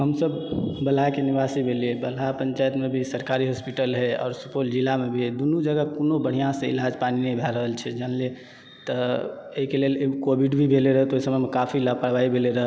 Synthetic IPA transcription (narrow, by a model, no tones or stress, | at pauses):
ɦəmsəbbəlɦakenibasibʱeliebəlapəɲt͡ʃajt̪mebʱisəɾkaɾiɦospiʈəlɦeɔ̰ːɾsupold͡ʒilamebʱid̪unud͡ʒəɡəkonobəɽ̤ijãsẽḭlad͡ʒpaninəjbʱɛɾəɦəlt͡ʃʰɛd͡ʒənle | t̪əeikelelkobʱiɖbʱibʱeleɾəɦɛt̪oisəməmekapʰilapəɽbaibʱeleɾəɦ